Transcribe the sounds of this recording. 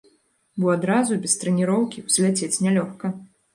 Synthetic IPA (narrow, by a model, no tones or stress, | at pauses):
buad̪ɾazubʲɛst̪ɾɛnʲiɾɔwkʲiwzʲlʲɛt͡sʲet͡sʲnʲɛlʲɔxkɐ